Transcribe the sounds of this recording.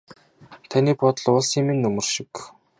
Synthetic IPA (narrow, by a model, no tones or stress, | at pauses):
t̪ʰaniːpɔt̪̆ɮʊɮsiːŋminːɵmɵ̆rʃɪ̥̆k